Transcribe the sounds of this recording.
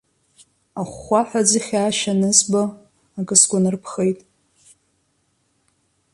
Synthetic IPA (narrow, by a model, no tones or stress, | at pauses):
aχʷaħʷᶣad͡ziχʲaːʃanɨzbaː | kʼɨsɡʷʼanɨrpʰχejtʼ